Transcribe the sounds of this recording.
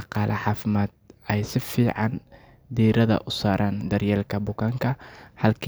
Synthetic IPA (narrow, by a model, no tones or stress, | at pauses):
ɑqɑːlʔɐħɑːfɪmaːd̪̚ɛjsɪfiːʕɑn | d̪iːɾɐðɐ̰ʔʊsaːɾʔaːnd̪ɐrjɛːlkʰɐbʊkʰɐŋkʰɐhɐlkʰ